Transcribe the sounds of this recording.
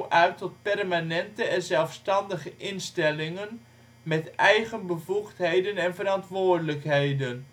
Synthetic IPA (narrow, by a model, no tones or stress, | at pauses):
ʔœɥtɔt̚pɛrmanɛntəɛnzɛlˠfstɑndəχəʔɪnstɛlɪŋən | mɛtɛjχənbəvuχtɦejdənɛnvəɾɑntʋʊːrdələkɦejdən